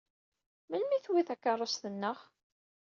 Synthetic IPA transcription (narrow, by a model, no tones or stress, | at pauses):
məlmiθwiθækːɑrˤːosθənːəʁ